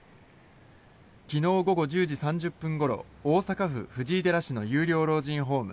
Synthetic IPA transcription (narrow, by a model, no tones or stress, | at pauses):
kʲino̞ːɡo̞ɡo̞ʑɨːd͡ʑisãɲ̟d͡ʑɨpːɯ̃ŋɡo̞ɾo̞̰ | oːsakaɸɯ̟̰ɸɯ̟ʑd͡ʑiːd̪e̞ɾaɕino̞jɯːɾʲo̞ːɾo̞ːʑĩŋ̃ɦo̞ːmɯ̟